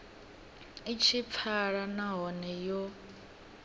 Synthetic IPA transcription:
it͡ʃʰip̪fʰaɺanaɦɔnɛjɔ

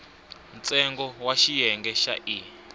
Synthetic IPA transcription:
n̩t͡sʼɛŋɡɔwaʃijɛŋɡɛʃa̰ʔi

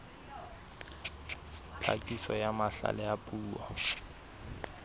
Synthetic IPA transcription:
t͡ɬʰakʼisɔjamaɬa̰lɛapʼuːwɔ̰

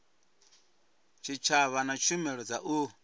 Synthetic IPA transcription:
t͡ʃʰit͡ʃʰaβanat͡ʃʰumɛɺɔd͡zaʔu

